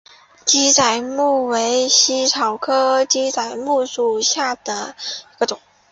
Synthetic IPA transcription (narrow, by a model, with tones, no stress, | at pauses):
t͡ɕi˥t͡sa˨˩ɪmu˥˩we˧˥ɪɕi˥ʈ͡ʂʰɑ˨˩ʊkʰɤ˥t͡ɕi˥t͡sa˨˩ɪmu˥˧ʂu˨˩ɕja˥˩d̪̥ə˩i˧˥ɡə˧ʈ͡ʂʊ˨˩˦ŋ